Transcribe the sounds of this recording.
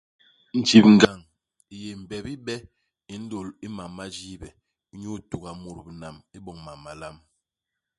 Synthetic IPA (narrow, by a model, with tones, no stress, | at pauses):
n̩˨t͡ʃi˨p̚ŋ̩˨ɡa˨ŋ | i˦je˨m̩˨bɛ˨bi˦ɓɛ˦ | i˨n̩˦do˨li˦ma˨mːa˦d͡ʒi˦bɛ˨˦ | ɲu˦tu˨ɡa˨mu˨ɾbi˨na˨mi˦bɔ˨ŋma˨mːa˨la˦m